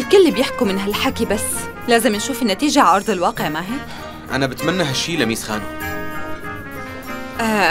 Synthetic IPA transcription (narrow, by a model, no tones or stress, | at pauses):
ɪlkʊlːbjɪħkʊmɪnɦalħakibasː | laːzɪmnʃuːfɪnːat̪iːʒaʕʔɑɾˤd̪ˤɪlwɑːqeʕmaːɦi | ʔa̰nabɪt̪manːaɦaʃːiːlamisxa̰ːnu | ʔa